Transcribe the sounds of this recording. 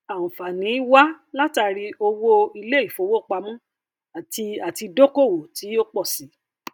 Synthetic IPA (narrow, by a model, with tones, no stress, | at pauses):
a˨ũ˨fa˨nĩ˨˦wa˦la˦ta˧ɾi˧o˧wo˧i˧le˦i˦˨fo˨˧˦wo˦˨k͡pa˧mũ˦˨ | i˧a˨ti˧do˦ko˦˨wo˨ti˨˦o˦k͡pɔ˦˨si˨˦